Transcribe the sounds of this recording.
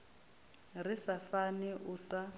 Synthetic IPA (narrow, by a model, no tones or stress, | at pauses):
risafanɛʔʊsa